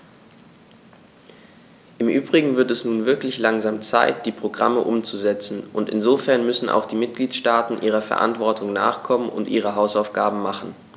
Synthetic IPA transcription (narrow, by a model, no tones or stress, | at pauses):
ʔɪmʔyːbʁɪɡŋ̩vɪɐtɛsnuːnvɪɐklɪçlaŋzaːmt͡sa̰ɪt̚d̥iːpʁ̥oɡʁa̰məʔʊmt͡suzɛt͡sn̩ʔʊntɪnzoːfɛɐnmʏsn̩ʔa̰ʊxd̥iːmɪt̚ɡ̥liːtʃtaːtn̩ʔiːʁ̞ɐfɛɐʔa̰ntv̥ɔɐtʰʊŋna̰ːχkʰɔmənʊ̰ntʔiːʁ̞əɦaʊsaʊfɡ̥aːbm̩maχn̩